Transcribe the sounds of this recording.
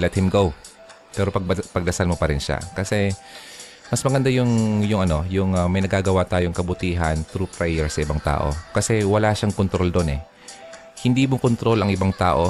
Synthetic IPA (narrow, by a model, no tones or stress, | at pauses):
lɛt̪̚hɪmɡow | pɛːɾo̞pɐɡ̚pɐɡd̪ɐsalmo̞pɐɾɪnʃa̰kɐsɛ | mɐsmɐɡɐnd̪ajʊŋjʊŋʔɐno̞jʊŋɐmɐjnɐɡaːɡɐwat̪aːjoŋkɐbʊt̪iːɦɐnt̪ɾupɾajɛɹsɐʔɪbaŋt̪a̰ːʔo̞̰kɐsɛwɐlaːʃaŋkont̪ɾo̞ld̪o̞nɛ | hɪnd̪iːmokont̪ɾo̞lɐŋʔɪbaŋt̪a̰ːʔo̞